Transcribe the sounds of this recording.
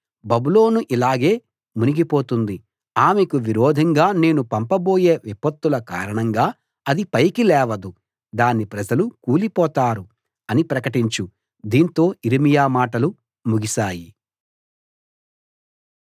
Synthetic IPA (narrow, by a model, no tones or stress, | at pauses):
bɐbulo̞ːnuʔilaːɡe̞ː | muniɡipo̞ːt̪und̪i | aːmekuʋiɾɔːd̪ʱɐŋɡaːne̞ːnupɐmpɐbo̞ːje̞ːʋipɐt̪ːulɐka̰ːɾɐɳɐŋɡaː | ɐd̪ipɐjkilɛːʋɐd̪u | d̪aːnːipɾɐd͡ʒɐlukuːlipɔːt̪aːɾu | ɐnipɾɐkɐʈiɲt͡ʃu | d̪iːnt̪o̞ːiɾimijaːmaːʈɐlu | muɡisaːji